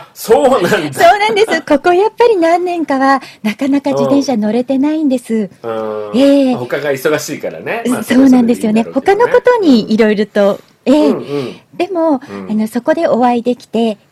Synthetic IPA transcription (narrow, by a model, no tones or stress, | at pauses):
soːnãnso̞ːnãnd̪e̞sɨko̞ko̞japːaɾʲinãnːẽ̞ŋkaβanakanakad͡ʑit̪ẽ̞ɰ̃ɕano̞ɾe̞t̪e̞naĩnd̪e̞sɨ | eːhokaɡaiso̞ɡaɕiːkaɾa̰neso̞ːnãnd̪e̞sɨjo̞ne̞ho̞kano̞ko̞t̪o̞ɲ̟iiɾo̞iɾo̞t̪o̞ | eːd̪̥e̞mo̞ano̞so̞ko̞d̪e̞o̞βaid̪e̞kʲi̥t̪e̞